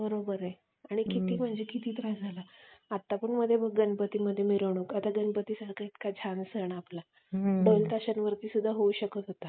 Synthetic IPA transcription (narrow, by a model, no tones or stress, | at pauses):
bəɾobəɾe | aɽ̃ikʰit̪iːm̤əd͡ʑikʰit̪iːt̪ɾad͡zʱalaat̪ːapəɳməd̪ʱjebəɡɡənpət̪iːməd̪ʱːjemiɾəʋɳ̃ukat̪aɡənpət̪iːsəɾkʰait̪kad͡ʑʱansəɳapla | bəlt̪aɕənʋəɾt̪iːsud̪ʱːaɦouɕəkət̪ɦot̪a